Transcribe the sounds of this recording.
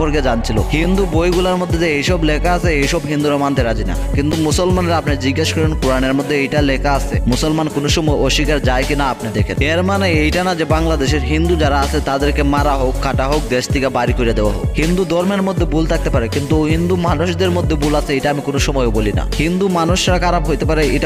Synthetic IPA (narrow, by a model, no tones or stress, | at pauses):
poɾked͡ʑant͡ɕʰilohind̪ubojɡulaɾmod̪ʱːed͡ʑeejʃɔblekaasʰeejʃɔbɦind̪uɾamant̪eɾad͡ʑina̰kint̪umusolmaneɾapnaɾd͡ʑiɡːeʃkɔɾonkuɾaneɾmod̪ʱːeejʈalekaasʰemusolmankonoʃɔmɔjoʃikaɾd͡ʑaekinaapnad̪eɾkʰeneɾmanejejʈanad͡ʑebaŋlad̪eʃeɾɦind̪ud͡ʑaɾaasʰet̪ad̪eɾkemaɾaɦokːaʈaɦok̚d̪eʃt̪ikabaɾikoɾiad̪eoaɦo̰khind̪ud̪ʱɔɾmeɾmod̪ʱːebult̪ʰak̚t̪epaɾekint̪uɦind̪umanuʃd̪eɾmod̪ʱːebulat͡ɕʰeejʈaamikonoʃɔmɔeobolina̰hind̪umanuʃaɾakaɾapɦojt̪epaɾeeʈa